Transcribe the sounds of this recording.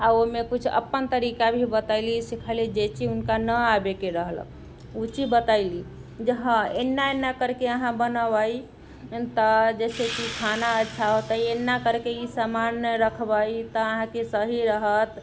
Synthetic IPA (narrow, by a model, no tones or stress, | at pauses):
aomekut͡ʃʰə̰pːənt̪əɾikabʱibət̪aɪlisikʰəlid͡ʒet͡ʃʰiunkanəabekeɾəɦlə̰k̚ʰ | ut͡ʃibət̪aili | d͡ʒəɦə̃enːaenːakəɾkeəɦãbənəbəj | t̪əd͡ʒɛsekikʰanaətːʃʰaɦot̪əjenːakəɾkeisamanəɾəkʰbəit̪ɔəɦãkesəɦiɾəɦət̪